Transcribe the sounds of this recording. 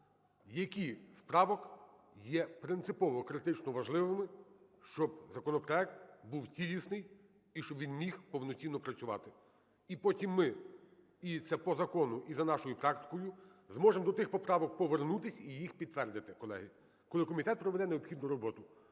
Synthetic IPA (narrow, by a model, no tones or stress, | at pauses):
jɐkʲispɾɑʋɔk | jɛpɾɪnt̪sɪpɔʋɔkɾɪt̪ɪt͡ʃnɔʋɐʒlˠɪʋɪmɪ | ʃt͡ʃɔb̚zɐkɔnɔpɾɔɛkt̪buwtʲilʲisnɪj | iʃt͡ʃɔbʋʲinmʲixpɔwnɔt͡sʲinːɔpɾɐt͡sʲʊʋɑ̰t̪ɪ | ipɔtʲimːɪ | it̪sɛpɔzɐkɔnʊʔizɐnɑʃɔjupɾɑkt̪ɪ̥kɔjʊzmɔʒemd̪ɔt̪ɪxpɔpɾɑʋɔk̚pɔʋernut̪ɪsʲijixpʲid̪t̪ːʋɛrd̪ɪt̪ɪkɔlˠɛ̰ɦɪ | kɔlˠɪkɔmʲit̪ɛt̪̚pɾɔʋɛd̪ɛneɔpxʲid̪nʊɾɔbɔt̪ʊ